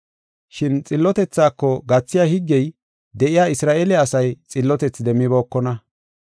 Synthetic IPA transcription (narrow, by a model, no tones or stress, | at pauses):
ʃɪnt͡sʼɪlːɔt̪ɛt͡sːaːkːɔɡɐt͡sːɪjaːhɪɡːɛj | d̪ɛʔɪjaːɪsɾaːʔelɛɐsɐjt͡sʼɪlːɔt̪ɛt͡sːd̪ɛmːɪbo̞ːkːɔnɐ